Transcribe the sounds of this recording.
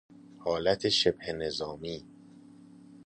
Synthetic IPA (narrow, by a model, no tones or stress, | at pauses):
hɒːlæt̪ʰeʃebhene̞zɒːmiː